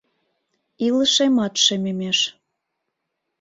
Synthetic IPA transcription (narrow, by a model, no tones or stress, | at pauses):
iləʃemɑt̪ʃememeʃ